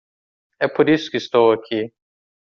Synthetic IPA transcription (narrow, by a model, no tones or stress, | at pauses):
epʰuɾiskist̪oːɐkʰi